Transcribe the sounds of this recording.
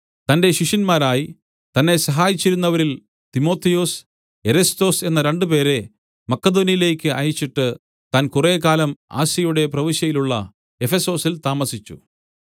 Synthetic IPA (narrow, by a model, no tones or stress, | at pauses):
t̪ɐnde̞ɕiʂɐnmaːɾaːji | t̪ɐnːe̞sɐɦaːjit͡ɕːiɾunːɐʋɐɾil | t̪imo̞ːt̪ʰːijoːs | eɾɐst̪o̞ːse̞nːɐɾe̞ɳɖɨpe̞ːɾe̞ | mɐkːɐd̪o̞ːnijile̞ːkʲːɨʔɐjit͡ɕːiʈːɨ | t̪ankureːkaːlɐma̰ːsjɐjuɽe̞prɐʋiɕjɐjiluɭːɐ̰ | e̞fe̞so̞ːsilt̪aːmɐsit͡ɕːṵ